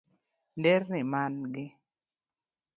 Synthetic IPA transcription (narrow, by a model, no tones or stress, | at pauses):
ndernɪmanɡɪ